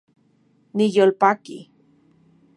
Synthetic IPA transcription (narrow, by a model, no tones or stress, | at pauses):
nijolpakḭ